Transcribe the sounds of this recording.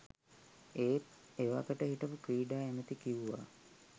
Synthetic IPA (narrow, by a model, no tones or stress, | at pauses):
eːt̪eʋa̰kəʈəɦiʈəpukɾiːɖaːemət̪ikiʋuʋa̰